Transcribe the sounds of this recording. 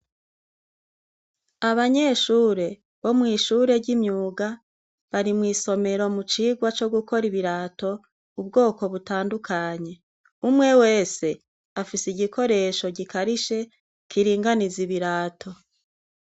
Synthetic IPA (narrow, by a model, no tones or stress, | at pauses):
aβaɲe̞ːʃuːɾe̞ | βo̞mŋiːʃuːɾe̞ɾɟimɲuːɡa | βaɾimŋiːso̞me̞ɾo̞mut͡ʃiɡwat͡ʃo̞ɡuko̞ɾiβiɾaːto̞ | ubɡo̞ːko̞βutaːndukʰaɲe̞ | umŋe̞we̞ːse̞ | afisiɟikʰo̞ɾe̞ʃo̞ɟikaɾiʃe̞ | kʰiɾiːŋɡaniziβiɾaːtʰo̞